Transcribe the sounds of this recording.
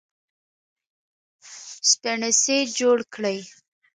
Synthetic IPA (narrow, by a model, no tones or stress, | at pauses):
st̪aɳɪsed͡ʒoɽkɽəj